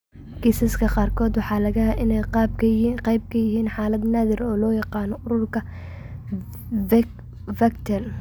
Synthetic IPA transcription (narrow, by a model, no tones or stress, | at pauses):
kʰisɐskʰɐqɑːrkʰɔːd̪wɑħɑːlɐɣɐɦɐʔɪnɛjqɑːb̚kʰɐqɑjb̚kʰɐjɪɦiːnħɑːlɐd̪naːðɪɾɔːlɔːjɑqɑːnɔʔʊɾʊrkʰɐ | vɛkt̪ʰɛr